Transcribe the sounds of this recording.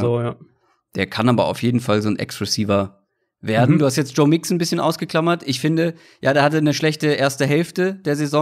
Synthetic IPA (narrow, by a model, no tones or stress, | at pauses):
oːja | d̥eːɐkʰanʔaːbɐa̰ʊfjeːdn̩falzoːnʔɛ̰ksʁɛsiːvɐ | veːɐdn̩duːhastjɛt͡sd̥ʒ̥oːmɪksn̩bɪsçənʔa̰ʊsɡ̥əkl̥amɐtʔɪçfɪndə | jaːdeːɐhatənəʃlɛçtəʔeːɐstəɦɛlftəd̥eːɐzezɔ